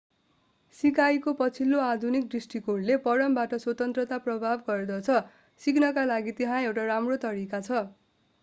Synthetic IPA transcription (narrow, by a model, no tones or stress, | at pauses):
sikajkopʌt͡sʰilːoad̪ʱunik̚drisʈikoɽlepʌɽʌmbaʈʌswʌt̪ʌnt̪rʌt̪aprʌbʱabɡʌrd̪ʌt͡sʰʌ | siknʌkalaɡit̪eɦãewʈaɾamrot̪ʌɾikat͡sʰʌ